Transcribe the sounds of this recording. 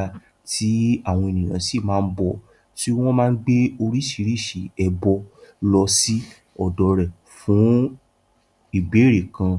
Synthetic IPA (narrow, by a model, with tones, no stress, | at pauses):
a˧ | tʰi˨˦a˦˨w̃ɔ̃˧e˨nĩ˨j̃ã̰˨˦si˦˨mãː˦˧˦bɔ˦˨ | ti˦w̃ɔ̃˦mãː˦˧˦ɡ͡be˦o˧ɾi˦ʃi˨˧ɾi˦˨ʃi˨ɛ˧bɔ˧lɔ˧si˦ | ɔ˨dɔ˧ɾɛ˨ | fũ˨˦ | i˦˨be˨˦ɾe˨kã˧